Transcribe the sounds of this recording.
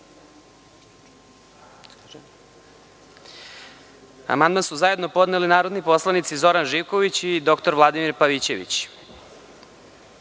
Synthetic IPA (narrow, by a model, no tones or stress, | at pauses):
a̰mand̪mansuzaje̞d̪no̞po̞d̪nelinaːɾod̪nipo̞slˠanit̪sizo̞ɾanʒiʋko̞ʋit͡ɕid̪o̞kt̪oɾʋlˠad̪imiɾpaʋit͡ɕe̞ʋḭt͡ɕ